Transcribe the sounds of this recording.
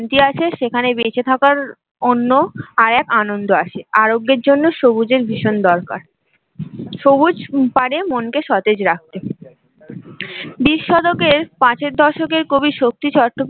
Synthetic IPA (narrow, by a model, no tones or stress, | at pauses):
nt̪iaʃʰeʃekʰanebet͡ɕʰet̪ʰakaɾ | onːoaɾɛkanond̪oaʃʰeaɾoɡːeɾd͡ʑonːoʃobud͡ʑeɾbʱiʃond̪ɔɾka̰ɾ | ʃobud͡ʑpaɽemonkeʃɔt̪ed͡ʑɾak̚t̪e | biʃːɔd̪okeɾpãt͡ɕʰeɾd̪ʱɔʃokeɾkobiʃok̚t̪it͡ɕɔɾʈːop